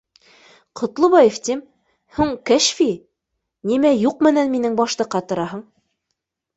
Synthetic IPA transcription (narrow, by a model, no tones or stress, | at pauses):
qʰŏt̪lˠɤbɑjeft̪ʲim | huɴkæʃfi | nimæjuqmɘ̆nænminɘŋbɑʃlˠɤ̆qːɑt̪ɤ̆ɾɑɦɤ̆ɴ